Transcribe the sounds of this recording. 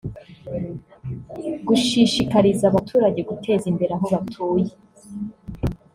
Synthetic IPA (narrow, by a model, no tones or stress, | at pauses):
ɡuʃiːʃikaɾizaβatʰuːɾaɟe̞ɡutʰe̞ːzimbe̞ɾaɦoβatʰuːje